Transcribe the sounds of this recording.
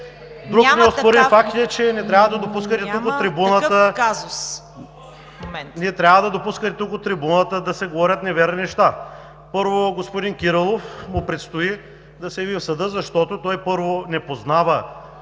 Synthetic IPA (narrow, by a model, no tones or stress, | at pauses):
d̪ɾunɛospoɾinfak̚t̪ɛt͡ʃɛnɛt̪ɾʲavəd̪ɐd̪opuskət̪ɛukott̪ːɾibunət̪əaz | nɛt̪ɾʲavəd̪ɐd̪opuskət̪ɛt̪ukot̪ːɾibunət̪əd̪ɐsɛɡovɔɾʲət̪nɛvɛɾninɛʃt̪a | pɤɾvoɡospod̪inkiɾəlˠofmʊpɾɛt̪st̪oi | d̪ɐsɛjɐvifsɐd̪ɤzɐʃt̪ɔt̪ot̪ɔjpɤɾvonɛpoznavə